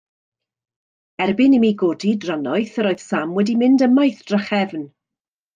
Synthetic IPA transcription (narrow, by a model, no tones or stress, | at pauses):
ɛrbɪnimiɡoːdidranɔɨθəɾoːɨð̥samwɛdimɪndəmajθd̥rəχɛvn